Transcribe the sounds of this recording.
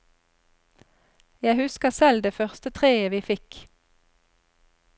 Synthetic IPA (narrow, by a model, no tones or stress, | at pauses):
jæɪhʉskəsɛld̪eːfœʁst̪ət̪ʰʁeːəʋiːfɪk